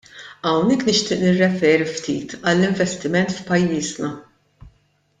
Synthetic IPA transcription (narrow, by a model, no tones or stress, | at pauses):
ɐwnɛkːnɪʃt̪ɪːʔnɪrːɛfɛːɾift̪iːt̪ʰɐlːɪɱvɛst̪ɪmɛnt̪fpɐjːiːznɐ